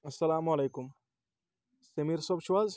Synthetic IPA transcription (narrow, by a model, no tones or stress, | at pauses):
ɐsɐlaːmɐlejkum | semiɾsɔbt͡ʃʰuwaz